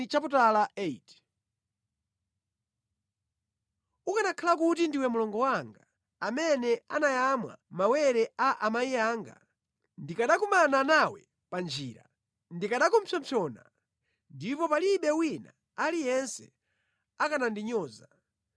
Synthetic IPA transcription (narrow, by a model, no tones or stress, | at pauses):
it͡ʃaputalaɛit | ukanakʰalakutindiwɛmulɔŋɡɔwaŋɡa | amɛnɛanajamwa̰mawɛɾɛaʔamajiaːŋɡa̰ | ndikaɗakumananawɛ̰ | pand͡ʒiːɾa̰ | ndikaɗakɔmsʰɔmpʰɔna̰ | ndipɔpaliɓɛwina̰ | alijɛnsɛ | akanandiɲɔːza